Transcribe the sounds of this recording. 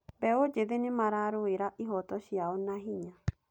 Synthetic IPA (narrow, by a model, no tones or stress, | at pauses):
bɛod͡ʒeðenemaɾaɾoeɾaʔiɦɔtɔɕjaɔnaɦiɲa